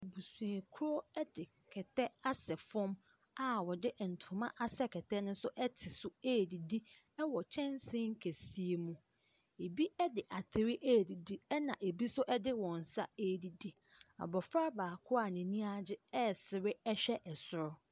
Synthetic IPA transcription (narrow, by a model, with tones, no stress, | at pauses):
bu˨sũ˨e˨kʰu˦ɾo˦ɛ˦dɪ˨ | kʰɛ˨tʰɛ˦a˦sɛ˨fɔ̃˦m | a˨wɔ˨dɪ˦ʔɛ˨n̩˨tʰʊ̃˨mã˦ʔa˦sɛ˦kʰɛ˨tʰɛ˦nʊ̃˦n˦sʊ˦ʔɛ˦tʰɪ˨sʊ˦eː˦˨di˨di˦ | ɛ˦wɔ˨t͡ɕʰɛ̃˦n˦sɪ̃˦ŋ̩˦kʰe˨si˦e˨mũ˦ | e˨bi˦ɛ˦dɪ˨ʔa˨tʰɪ˨ɾɪ˦ʔe˦˨di˨di˦ɛ˦nã˨ʔe˨bi˦sʊ˦ʔɛ˦dɪ˦wɔ̃˨n̩˨sa̰˦e˦˨di˨di˦ | a̰˨bɔ˨fɾa˦baː˨kʰʊ˦a˨nɪ̃˨nĩ˦a˦d͡ʑɪ˦ɛ˦sɪ˨ɾɪ˦ɛ˦ɕᶣɛ˦ʔɛ˨sʊ˨ɾʊ˦